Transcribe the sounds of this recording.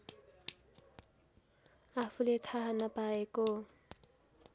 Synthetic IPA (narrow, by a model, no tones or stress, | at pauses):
apʰulet̪ʰaɦanʌpaeko